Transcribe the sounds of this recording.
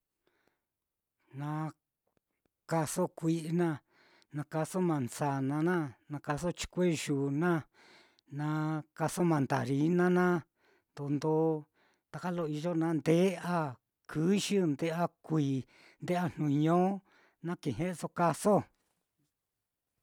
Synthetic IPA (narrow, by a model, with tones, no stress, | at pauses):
nã˧ | ka˧so˦kʷi˦ʔnã˦˧ | nã˧ka˧so˦mã˨nsa˨nã˧nã˦nã˧ka˧s̬o˦t͡ʃi̥˧kʷe˦ʒu˨nã˦ | nã˧ka˧so˦mã˨nd̪a̰˨ɾi˨˦nã˦nã˦ | t̪o˧˨nd̪o˦ | t̪a˧ka˦lo˧˨i˧ʒo˦nã˧nd̪e˦a˦ | kʰɨ˦ʃi˦nd̪e˧˦a˦˧kʷiː˨ | nd̪e˦a˧n̥nũ˨˧ɲõ˦ | nã˦kĩ˨ɦẽ˦ʔso˧ka˧so˦